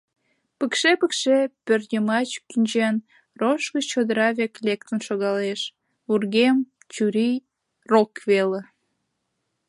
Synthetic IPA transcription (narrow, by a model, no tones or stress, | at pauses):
pəkʃepəkʃepørnʲəmɑt͡ɕkynʲt͡ɕen | roʃɣət͡ɕt͡ɕod̪əɾɑβeklʲek̚t̪ənʃoɣɑleʃ | βurɣem | t͡ɕuɾi | rokβele